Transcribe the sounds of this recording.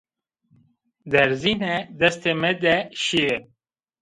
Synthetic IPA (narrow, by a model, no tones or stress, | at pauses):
d̪ɐɾzined̪ɐst̪emed̪eɕie